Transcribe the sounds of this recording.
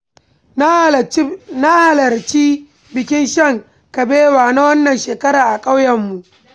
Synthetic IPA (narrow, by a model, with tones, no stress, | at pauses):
na˦ha˨lɐ˨rt͡ʃiː˦ | bɪ˨kʲɪ˦nʃɐ˦˨ŋ | kɐ˨beː˦waː˨na˦wɐ˦nːɐ˨nʃeː˨kɐ˦ɾaː˨ʔa˨kʼa˦wjɐ˨mːu˨ʔ